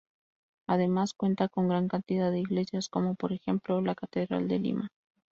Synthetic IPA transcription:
að̞e̞maskwe̞nt̪ako̞ŋɡɾaŋkant̪iðaðe̞iɣle̞sjasko̞mo̞po̞ɾe̞xe̞mplo̞lakat̪e̞ðɾa̰ld̪e̞lḭma

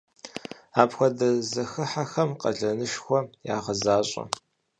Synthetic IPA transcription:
aːpxʷɔdɐzɐxɨħaxɐmqʼɐ̰ɮɐnɨʃxʷɔjaːʁɐzaːɕʼɐ̰

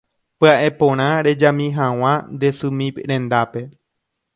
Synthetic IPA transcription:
pɨaʔe̞põɾ̃ãɾe̞d͡ʒãmĩɦãw̃ãnd̪e̞sɨ̃mĩɾẽ̞nd̪ape̞

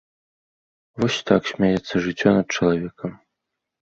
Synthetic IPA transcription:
vɔsʲt̪aksʲmʲajɛt̪sːɐʐɨt͡sʲːɔnɐt̪̚t͡ʂɐlˠavʲɛkɐm

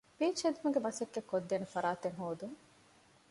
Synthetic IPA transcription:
biːt͡ʃed̪umɐɡemɐsekːekːod̪ːeːnefɐɾaːt̪eŋɦoːd̪uŋ

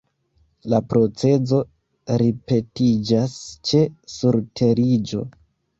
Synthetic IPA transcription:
lapɾo̞t͡se̞zo̞ | ɾipe̞tid͡ʒast͡ʃe̞suɾtʰe̞ɾid͡ʒo̞̰

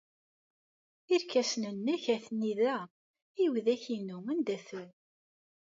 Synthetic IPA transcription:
iɾkæsnənːæçæθniðæ | iwðæçinumænd̪æθəl

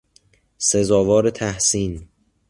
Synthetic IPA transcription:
sezɒːvɒːɾet̪ʰæhsiːn

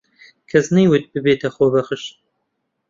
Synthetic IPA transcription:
kʰɐznɨjwʊt̪̚bɨbeːt̪ʰɐxoːbɐxɨʃ

